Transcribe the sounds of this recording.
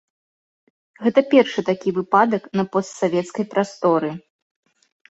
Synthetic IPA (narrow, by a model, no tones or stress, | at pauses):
ɣɛt̪ɐpʲɛrʂɨt̪akʲivɨpad̪ɐknɐpɔst̪savʲɛt̪skɐjpɾast̪ɔɾɨ